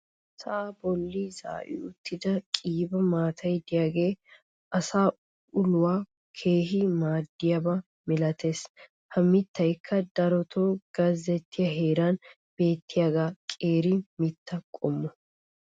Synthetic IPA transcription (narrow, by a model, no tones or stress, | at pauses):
sabɔlːiːza̰ːʔɪ̰ʊt̪ːɪd̪ɐkʼiːbɐmaːt̪ʰɐjd̪ɪjaːɡe̞ː | ʔɐsaː | ʔʊlʊwaː | kʰe̞ːɦimaːd̪ːɪjɐba | mɪlɐt̪ʰeːs | hɐmːɪt̪ːɐjkʰːɐd̪ɐɾɔt̪ʰoːɡ̥ɐzɛt̪ʰːɪjɐɦe̞ːɾaːn | b̥e̞ːt̪ʰːɪjaːɡaːkʼe̞ːɾimɪt̪ːɐkʼɔmːɔ